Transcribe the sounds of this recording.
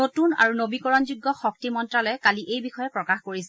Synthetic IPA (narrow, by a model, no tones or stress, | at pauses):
notuna̰ɹunobikɔɹɔnzuɡːɔxɔk̚timɔntɹalɔjkaliʔejbixɔjɛpɹɔkaxkoɹisɛ